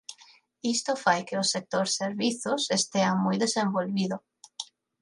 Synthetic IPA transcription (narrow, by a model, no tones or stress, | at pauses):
ist̪ofajkɪosek̚t̪oɾseɾβiθosest̪eaŋmujðesẽmbolβiðʊ